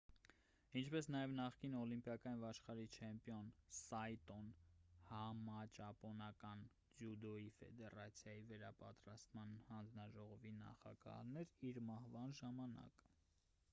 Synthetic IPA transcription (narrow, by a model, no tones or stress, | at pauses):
int͡ʃʰpɛsnɑjɛvnɑχkinɔlimpjɑkɑj̪vɑʃχɑɾit͡ʃʰɛmpjɔnsɑjt̪ɔnhɑmɑt͡ʃɑpɔnɑkɑn | d͡ʒjud̪ɔifɛ̰d̪ɛɾɑt͡sʰjɑjivəɾɑpɑt̪ɾɑst̪mɑnhɑnd͡znɑʒɔʁɔvinɑ̰χɑ̰ɡɑ̰hnɛɾiɾmɑhvɑnʒɑmɑnɑ̰kə